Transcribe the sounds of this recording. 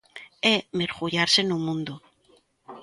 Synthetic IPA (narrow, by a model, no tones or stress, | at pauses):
emeɾɣuʎaɾsenumũnd̪u